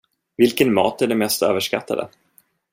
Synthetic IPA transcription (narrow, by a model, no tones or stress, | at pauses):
vɪlkənmɑ̰ːt̪æɖɛmɛst̪ø̰ːvəʂka̰t̪ʰːa̰d̪ə̰